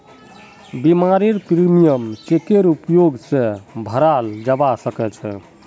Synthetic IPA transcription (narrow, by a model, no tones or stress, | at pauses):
bimaɾeɾpɾimijəmt͡ʃek̪eɾupjoɡsẽbʱəɾald͡ʒabasəkɛt͡ʃʰɛ̰